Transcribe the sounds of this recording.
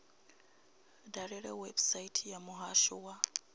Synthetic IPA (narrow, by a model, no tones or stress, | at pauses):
daɾeɾewebsaitʰijamuɦaʃuwa